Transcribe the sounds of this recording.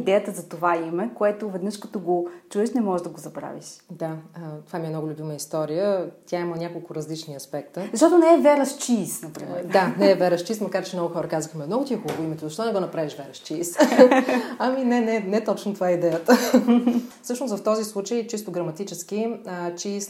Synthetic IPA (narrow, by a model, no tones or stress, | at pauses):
id̪ɛjət̪əzɐt̪ovaimɛkoɛt̪ovɛd̪nɤʃkɐt̪ɔɡot͡ʃuɛʃnɛmɔʒeʒd̪ɐɡozɐbɾa̰vḭʃd̪at̪ovamiɛmnɔɡʊlʲʊbiməist̪ɔɾijət̪ʲaimˠnʲakolˠkʊɾɐzlit͡ʃniɐspɛk̚t̪əzzɐʃt̪ɔt̪onɛɛvɛɾɐʃt͡ʃiːsnɐpɾḭmɛɾd̪anɛːvɛɾəʃt͡ʃismɐkaɾt͡ʃɛmnɔɡʊxɔɾəkazəxmɛmnɔɡʊt̪iɛxubəvʊimɛt̪ozɐʃt̪ɔnɛɡɔnɐpɾaviʃvɛɾɐʃt͡ʃiːs | ɐminɛnɛnɛɛt̪ɔt͡ʃnot̪ovaɛid̪ɛjət̪ə | fsɤʃnosvɐft̪ɔzislˠut͡ʃəjt͡ʃist̪ʊɡɾɐmɐt̪it͡ʃɛsk̟iət͡ʃiːs